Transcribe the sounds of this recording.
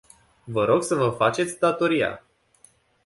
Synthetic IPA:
vəɾo̞ɡsəvəfat͡ʃet̪sʲd̪at̪o̞ɾija̰

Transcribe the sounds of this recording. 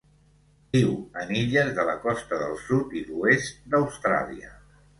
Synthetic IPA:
biwəniʎəzðələkɔst̪əðəlˠsut̪iðuest̪̚d̪əwst̪ɾa̰liə̰

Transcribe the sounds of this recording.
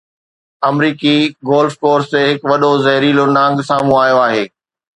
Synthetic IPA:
ɐmɾiːkiɡoːlfkoːɾst̪eɦɪkʋɐɗozɐɦɪɾiːlonãːŋɡsaːmũaːjoaːɦeː

